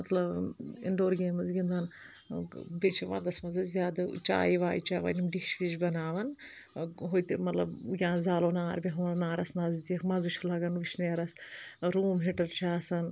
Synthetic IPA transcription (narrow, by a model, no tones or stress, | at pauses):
mɐt̪lɐbḭɳɖoːɾɡeːmɐzɡʲind̪ɐn | bet͡ʃʰiʋɐ̰nd̪ɐsmɐzɐzʲjaːd̪ɐ̰t͡ʃa̰ːjiʋaːjit͡ʃaːʋa̰nimɖikt͡ʃʰbit͡ʃʰbɐnaːʋɐn | ɦojt̪emɐt̪lɐ̰bjʲãːzaːloːnaːɾbʲiɦɐmɐɾnaːɾɐsnɐzd̪ikmɐzut͡ʃʰulɐɡɐnʋit͡ʃʰneːɾɐsɾuːmɦiʈɐɾt͡ʃʰaːsɐn